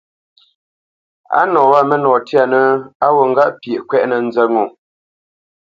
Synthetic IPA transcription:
a̰˦nɔ̃ː˨wa˦˨mə˦nɔː˨tja˨nə˦a˦wo˨ŋ̩˦ɡa˦ʔpje˨ʔkwɛ˦ʔnə˨n̩˦zə˦ŋo˨

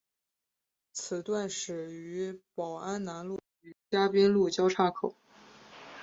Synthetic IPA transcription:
t͡sʰɹ̩˨˩t̪wa˥˩nʂɻ̩˨˩y˧˥pɑ˨˩ʊa˥nna˧˥nlu˥˩ | y˧˥t͡ɕja˥pi˥nlu˥˩t͡ɕjɑ˥ʊʈ͡ʂʰa˥kʰo˨˩˦

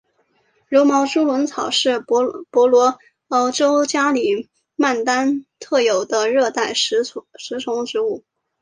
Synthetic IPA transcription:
ɻu˧˥mɑ˧˥ʊʈ͡ʂu˥lwə˧˥nt͡sʰɑ˨˩ʊʂɻ̩˥˩˥pwɔ˧˥lwɔ˧˥ | ə˧˥ʊʈ͡ʂo˥ʊt͡ɕja˥li˨˩ | ma˥˩nt̪a˥nt̪ʰɤ˥˩jo˨˩ʊd̪ə˦ɻɤ˥˧t̪a˥˩ɪ˧˥ʂɻ̩˧˥t͡sʰʊ˧˥ŋʈ͡ʂɻ̩˧˥u˥˩

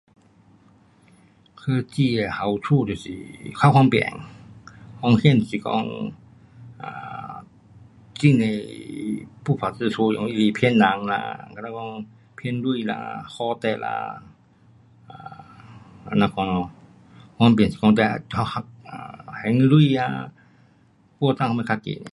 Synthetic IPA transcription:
kʰɤː˧t͡ɕi˧˩a˨˩ha˨˩wt̪ʰuː˧˨ti˨˩sḭ˨˩kʰa˧˩˨kʰɔ˧npɛ̰˧˩˨ŋ | hɔ˧˨ŋhi˧˥˨n˨si˨kɔ̰˧˨ŋ | ʔaː˧˩ | t͡ɕi˧˥˨ŋna˧˩j | puː˧˩pʰa˨˩tɨ˧˩˨sʰu˧˨jɔ˧˨ŋi˧i˧˩pʰi˧˥˨nːa˨˦ŋla̰˧ka˧˩la˧˩kɔ˧˨ŋ | pʰi˧˨nlu˧˥˧jla̰˧hɔ˧˦t̪ɛ˧la̰˧ | ʔa˧˩ | a˧na˧kʰɔ˧nɔ˧ | kʰɔ˧np̬i˨ŋsi˨kɔ˧t̪̬ɛ˧ha˧ha˧˩k̚a˧˩hɛ˨˦ŋlu˧˥˧a̰˧ | ku˧ə˨t̪a˧ŋka˧m˧kʰa˧kḛ˨ne˧˨

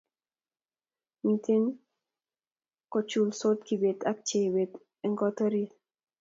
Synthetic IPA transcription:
mit̪i˦n | kɔ˨t͡ʃu˨lso˦t̪ki˨be˨t̪a˦k̚t͡ʃe˨we˨t̪ | ɛ˦ŋɡɔ˦t̪ɔ˦ɾi˦

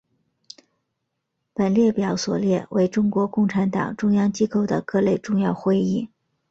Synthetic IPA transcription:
pə˨˩nljɛ˥˩pjɑ˨˧˥ʊswɔ̰˨˩ljɛ˥˩we˧˥ɪʈ͡ʂʊ˥ŋkwɔ˧˥kʊ˥˩ŋʈ͡ʂʰa˧˥nt̪ɑ̰˨˩ŋʈ͡ʂʊ˥ŋjɑ˥ŋt͡ɕi˥ko˥˩ʊd̪ə̰˩kɤ˥˧le˥˧ɪʈ͡ʂʊ˥˧ŋjɑ˥˧ʊxwe˥˧ɪi˥˩

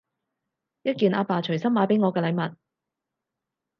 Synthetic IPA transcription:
jɐ˥t̚kiː˨˧nʔaː˧paː˨t͡ʃʰɵ˨˩ɥsɐ˥maː˨˧˥pe˨˥jŋɔː˨˧kɛː˧lɐ˨˧jmɐ˨t̚

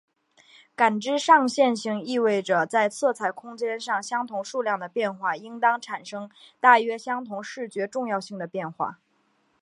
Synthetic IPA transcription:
ka˨˩nʈ͡ʂɻ̩˥ʂɑ˥˧ŋɕjɛ˥˧nɕi˧˥ŋi˥˧we˥˩ɪʈ͡ʂə˩t͡sa˥˧ɪt͡sʰɤ˥˩t͡sʰa˨˩ɪkʰʊ˥ŋt͡ɕjɛ˥nʂɑ˥˩ŋɕjɑ˥ŋt̪ʰʊ˧˥ŋʂu˥˧ljɑ˥˩ŋd̪ə˩pjɛ˥˧nxwa˥˩i˥ŋt̪ɑ˥ŋʈ͡ʂʰa˨˩nʂɤ˥ŋt̪a˥˩ɥɛ˥ɕjɑ˥ŋt̪ʰʊ˧˥ŋʂɻ̩˥˩t͡ɕɥɛ˧˥ʈ͡ʂʊ˥˧ŋjɑ˥˧ʊɕi˥˩ŋd̪ə˩pjɛ˥˧nxwa̰˥˩

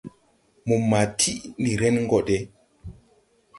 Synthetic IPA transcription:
mu˨mːa˨tʰi˦ʔni˨ɾɛ˦nŋ˦ɡɔ˨de˦

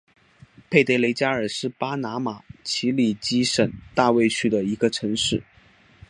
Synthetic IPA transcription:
pʰe˥˧ɪt̪e˥ɪle˧˥ɪt͡ɕja˥ə˞˨˩ʂɻ̩˥˩pa˥na˧˥ma˨˩˦t͡ɕʰi˧˥li˨˩t͡ɕi˥ʂə˨˩nt̪a˥˧we˥˧ɪt͡ɕʰy˥d̪ə˨i˧˥ɡə˧ʈ͡ʂʰɤ˧˥ŋʂɻ̩˥˩

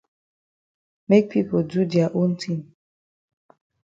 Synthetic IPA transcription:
me˦k̚pʰi˦po˨d͡ʒu˦di˨a˨ʔo˦n̩˦tʰi˦n

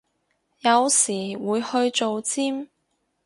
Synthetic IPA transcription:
jɐ˨˧wsiː˨˩wuː˨˧jhɵ˧ɥt͡ʃo˨wt͡siː˥m

